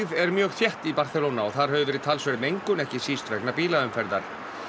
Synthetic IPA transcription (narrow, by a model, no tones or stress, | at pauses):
vɛɾmjœːɣθjɛht̪ipaɾ̥θɛlonaɔɣθaɾ̥ɦœːvʏvɛːɾɪðt̪ʰalsvɛɾɪmejŋkʏnɛhcɪsiːst̪vɛknapiːlaʏmfɛɾða̰ɾ̥